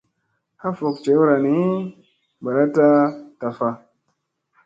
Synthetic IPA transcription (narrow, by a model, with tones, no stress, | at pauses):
ha˦fo˨k̚t͡ʃe˨˦wu˦ɾa˨ni˨˦ | ba˨ɾa˦ta˦ta˨fa˧